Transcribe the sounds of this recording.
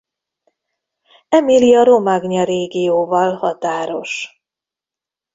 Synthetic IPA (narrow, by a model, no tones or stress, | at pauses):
ɛmiliɒɾomaɡɲɒɾeːɡijoːvɒlhɒt̪aːɾo̞ʃ